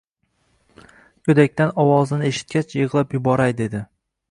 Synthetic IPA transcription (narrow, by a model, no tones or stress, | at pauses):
kʰʲɵd̪akʲt̪anɒwɒzɪnɪeʃɪ̥t̪̚kʲat͡ʃʰjɨʁlˠapjʊbɒɾajd̪e̞d̪ɪ